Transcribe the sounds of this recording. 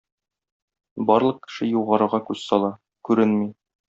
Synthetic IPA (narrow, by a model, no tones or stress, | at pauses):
bɒɾlˠɤq̚kːɘ̥̆ʃɘjuʁɑɾɤ̆ɾʁɑkʉzsɒlˠɑ | kʉɾɘnmij